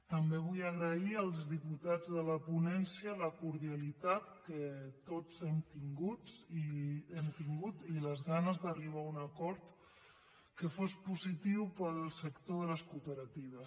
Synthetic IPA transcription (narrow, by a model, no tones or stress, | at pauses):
t̪əmbeβ̞ujəɣ̞ɾəiəlˠzðiput̪ad͡zðələpunɛnsiələkuɾðialit̪at̪kət̪ot͡sɛmt̪iŋɡut͡siemt̪iŋɡut̪iləzɣanəzðəriβ̞aunəkɔɾt̪ | kəfospuzit̪iwpəlˠsəkt̪oðələskupəɾət̪iβ̞əs